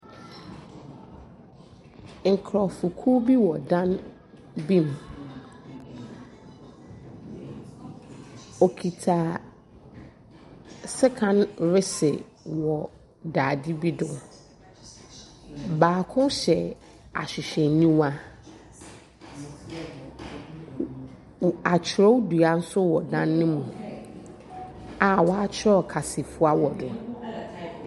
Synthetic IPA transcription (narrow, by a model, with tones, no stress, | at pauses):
ŋ̩˨kʰɾɔ˨fʊ˨kʰu˦bi˦wɔ˨dã˦n | bĩ˦m˨ | o˨kʰi˨tʰaː˨ | sɪ˦kʰã˨nɾɪ˦sɪ̰˨ | wɔ˨ | daː˨di˦bi˦dʊ̃˨ | baː˨kʰʊ̃˦ɕɛ˨ | a̰˨ɕᶣɪ˨ɕᶣɛ˨nĩ˦wa˦ | a˨t͡ɕʰɪ˨ɾɔ˦wdu˨a˨n̩˦sʊ˦wɔ˨dã˦nːɪ̃˦mũ˨ | a˨wɔ˨a˦t͡ɕʰɪ˦ɾɔ˦kʰa˨si˨fʊ˦a˦wɔ˨dʊ˨